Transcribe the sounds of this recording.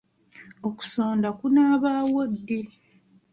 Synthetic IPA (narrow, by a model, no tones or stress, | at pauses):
o̞ku̥soːndakunaːβaːwodːe